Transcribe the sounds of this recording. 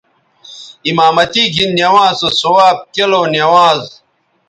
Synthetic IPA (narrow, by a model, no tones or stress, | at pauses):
imaːmɐt̪iːɡʱinːjɐwaːsosowaːb̚keloːnjɐwãːz